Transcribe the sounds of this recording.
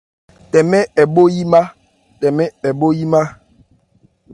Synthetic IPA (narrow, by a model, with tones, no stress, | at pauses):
tɛ˨mɛ˦ɛ˨ɓo˦ji˦ma˦ | tɛ˨mɛ˦ɛ˨ɓo˦ji˦ma˦